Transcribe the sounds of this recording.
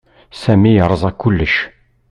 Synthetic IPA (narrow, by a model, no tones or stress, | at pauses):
sæmijəɾˤəzˤækːʊlːəʃ